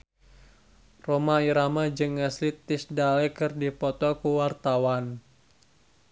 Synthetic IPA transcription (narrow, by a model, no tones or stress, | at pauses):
romaiɾamad͡ʒɨŋɛslit̪ːisdalɛkɨrdipɔt̪ɔkuwart̪awan